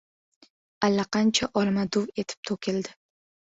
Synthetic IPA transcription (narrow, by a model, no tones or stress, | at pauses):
alːaqɑnt͡ʃʰaʔɒlmad̪ʊwe̞t̪ʰɪ̥p̚t̪ʰokʲʰɪld̪ɪ